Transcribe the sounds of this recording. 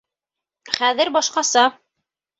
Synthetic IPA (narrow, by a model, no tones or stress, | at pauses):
χæðɘɾbɑʃqɑsɑ